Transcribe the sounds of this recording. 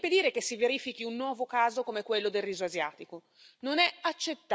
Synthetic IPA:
ped̪iːɾekesːiveɾiːfik̟iunːwɔːvokaːzokomekwelːod̪elriːzoazjaːt̪iko | nonɛat͡ʃːet̪ː

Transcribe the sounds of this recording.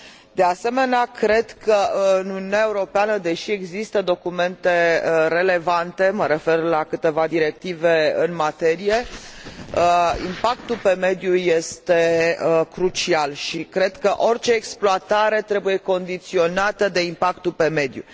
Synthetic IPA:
d̪ease̞me̞neakɾe̞d̪kʰəɨnununae̞uɾo̞peanəd̪e̞ʃieɡzist̪əd̪o̞kume̞nt̪e̞ɾe̞le̞vant̪e̞məɾe̞fe̞rlakɨt̪e̞vad̪iɾe̞k̚t̪ive̞ɨnmat̪e̞ɾije̞ | əḭmpakt̪ulpe̞me̞d̪juje̞st̪e̞əkɾut͡ʃialʃikɾe̞d̪kəʔo̞rʲt͡ʃe̞ːksploat̪aɾe̞t̪ɾe̞buje̞ko̞nd̪it̪sio̞nat̪əd̪e̞impakt̪upe̞me̞d̪jṵ

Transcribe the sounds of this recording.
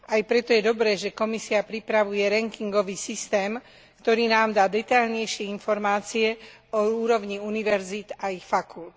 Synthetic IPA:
ajpɾɛt̪ɔjɛd̪ɔbɾɛːʒɛkɔmisiapɾipɾaʋujɛɾɛŋkiŋɡɔʋiːsist̪ɛːm | kt̪ɔɾiːnaːmd̪aːd̪ɛt̪aʎɲɛjʃɪɛinfɔɾmaːt͡siɛ | ɔuːɾɔʋɲiuniʋɛɾzid̪aixfakult̪

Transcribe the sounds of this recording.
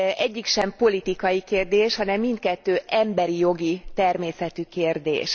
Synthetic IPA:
ʔɛɟːikʃɛmpo̞lit̪ikɒjikeːrd̪eːʃhɒnɛmːint̪̚kɛt̪ːøːʔɛmbɛɾijo̞ɡit̪ɛrmeːsɛt̪ykeːrd̪ḛːʃ

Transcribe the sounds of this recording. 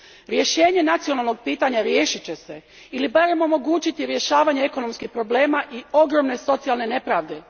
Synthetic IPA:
ɾje̞ʃe̞ːɲe̞nat̪sio̞nalˠno̞ɡ̚piːt̪aɲaɾjeːʃit͡ɕe̞se̞ | ilibaɾemo̞mo̞ɡuːt͡ɕit̪iɾje̞ʃaːʋaɲeeko̞no̞mskixpɾo̞ble̞ːmaʔio̞ɡɾo̞mne̞so̞t̪sialˠne̞ne̞pɾaːʋd̪e̞

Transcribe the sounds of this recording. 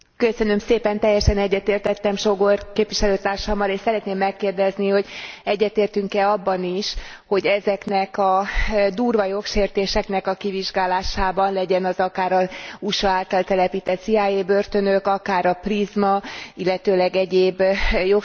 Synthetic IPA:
kø̞sø̞nø̞mseːpɛnt̪ɛjːɛʃɛnɛɟːɛt̪eːrt̪ɛt̪ːɛmʃo̞ɡorkeːpvʋiʃɛløːt̪aːrʃɒmːɒleːʃsɛɾɛt̪neːmːɛkːeːrd̪ɛzniho̞ɟɛɟːɛrt̪eːrt̪yŋkɛɒbːɒniʃ | ho̞ɟɛzɛknɛkɒd̪uːrvɒjo̞kʃeːrt̪eːʃɛknɛkɒkiviʒɡaːlaːʃaːbɒnlɛɟɛnɒzɒkaːɾɒuʃɒaːlt̪ɒlt̪ɛlɛpiːt̪ɛt̪siaːjeːbørt̪ø̞nø̞kɒkaːɾɒprizmɒilːɛt̪øːlɛɡɛɟeːbjo

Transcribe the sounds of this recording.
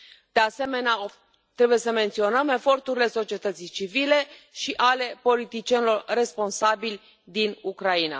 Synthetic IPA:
d̪̥e̞ase̞me̞nea | t̪ɾe̞buje̞səme̞nt̪sio̞nəme̞fo̞rt̪uɾile̞so̞t͡ʃie̞t̪ət̪sit͡ʃivile̞ʃiʔale̞po̞lit̪it͡ʃienilo̞rre̞spo̞nsabilʲ | d̪inukɾaina̰

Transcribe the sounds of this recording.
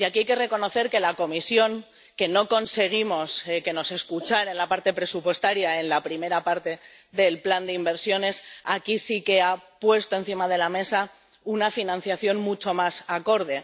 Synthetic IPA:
iakiajke̞re̞ko̞no̞θe̞ɾke̞lako̞misjo̞ŋ | ke̞no̞ko̞nse̞ɣ̞imo̞ske̞no̞se̞skut͡ʃaɾenlapaɾt̪e̞pɾe̞supwe̞st̪aɾjae̞nlapɾime̞ɾapaɾt̪e̞ðe̞lpland̪eimbe̞ɾsjo̞ne̞sakisike̞apwe̞st̪o̞e̞nθimað̞e̞lame̞sa | unafinãnθjaθjo̞nmut͡ʃo̞masako̞ɾð̞e̞

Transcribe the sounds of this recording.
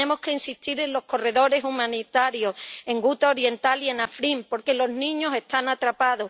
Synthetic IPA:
emo̞hke̞insiht̪iɾe̞nlo̞hko̞re̞ðo̞ɾe̞sumãnit̪aɾjo̞se̞ŋɡut̪aoɾje̞nt̪alie̞nafɾimpo̞ɾke̞lo̞znĩɲo̞se̞st̪anat̪ɾapaðo̞

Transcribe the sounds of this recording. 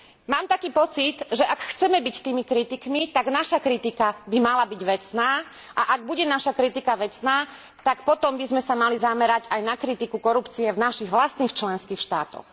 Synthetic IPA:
maːmt̪akiːpɔt͡sit̪ʒɛʔakxt͡sɛmɛbict̪iːmikɾit̪ikmit̪aɡnaʃakɾit̪ikabimalabiɟʋɛt͡snaː | ʔaʔaɡ̚buɟɛnaʃakɾit̪ikaʋɛt͡snaː | t̪akpɔt̪ɔmbizmɛsamalizamɛɾaɟajnakɾit̪ikukɔɾupt͡siɛvnaʃiɣʋlast̪niːxt͡ʃlɛnskiːxʃt̪a̰ːt̪ɔ̰x

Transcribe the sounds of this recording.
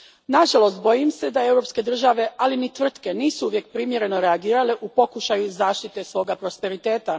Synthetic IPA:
naʒalˠo̞st̪̚bo̞jimse̞d̪ae̞wɾo̞pske̞d̪r̩ʒaʋe̞ʔalinit̪ʋr̩t̪ke̞niːsuuʋje̞k̚pɾimje̞ɾe̞no̞ɾe̞aɡiːɾaleʔupo̞kuʃajuzaːʃt̪it̪e̞sʋo̞ːɡapɾo̞spe̞ɾit̪e̞ːt̪a

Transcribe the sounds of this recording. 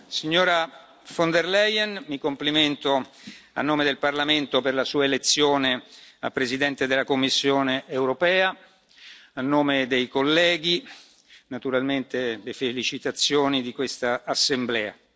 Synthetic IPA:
siɲːoːɾa | fond̪erlɛjɛnmikompliment̪oa̰nːoːmed̪elparlament̪operlasuːaelet̪sːjoːnea̰lpɾezid̪ɛnt̪ed̪elːakomːisːjoːneʔːwɾopɛːa | anːoːmed̪ejkolːɛːɡi | nat̪uɾalment̪elefelit͡ʃit̪at̪sːjoːnid̪ikwest̪aːsːemblɛːa̰

